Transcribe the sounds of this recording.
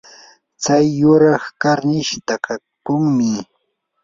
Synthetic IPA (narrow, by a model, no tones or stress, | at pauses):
t͡sajːʊɾɑχkaɾnɪʃt̪aka | kʊŋmɪ